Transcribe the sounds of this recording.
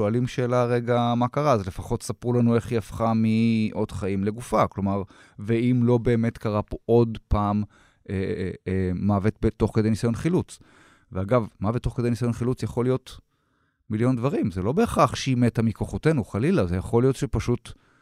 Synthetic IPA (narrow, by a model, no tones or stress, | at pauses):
oalimʃeːlaʁeɡamakaʁaazle̞faχo̞t̪sapʁulanue̞χiafχamiʔo̞d̪̥χaimle̞ɡufaklo̞maʁ | veimlo̞be̞ːme̞t̪kaʁapoʔod̪paːm | ʔeː | avet̪̚bet̪o̞χke̞dejnisajo̞nχilut͡s | veaɡavmavetːo̞χked̪ejnisajo̞nχilut͡sjaχo̞lijo̞t̪ | miljo̞nd̪vaʁimzelo̞be̞ːχaχʃiimet̪amikoχote̞nuχalilazejaχo̞lijo̞t̪ʃepaʃut